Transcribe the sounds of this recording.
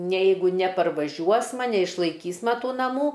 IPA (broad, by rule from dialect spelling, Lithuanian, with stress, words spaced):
nʲɛ ˈjɛɪɡʊ nʲɛpɐrʋɐˈʒʲuɔsmɐ nʲɛɪʃlˠɐɪˈkʲiːsmɐ ˈtuː nɐˈmuː